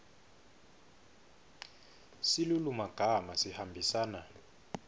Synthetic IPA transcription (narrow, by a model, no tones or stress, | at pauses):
silulumaɡ̥ʱamasihambʱisaːna